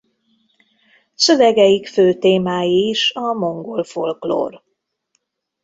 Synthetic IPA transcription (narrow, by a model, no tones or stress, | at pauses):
sø̞vɛɡɛjikføːt̪eːmaːjiːʃɒmo̞ŋɡolfolklo̰ːr